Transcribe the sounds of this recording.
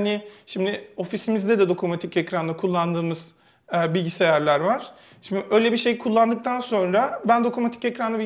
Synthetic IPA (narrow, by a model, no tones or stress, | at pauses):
nɪʃimd̪ɪo̞fisimizd̪ɛd̪ɛd̪o̞kʰomat̪ʰicecɾanlˠakʰulˠːand̪ɯːmɯz̥ | bilʲɟisejæɾlʲæɾvaɾ̥ | ʃimd̪ɪʔø̞jlʲebiʃe̞jkʰulˠːand̪ɯk̚t̪ʰanso̞nɾabænd̪o̞kʰomat̪ʰicecɾanabi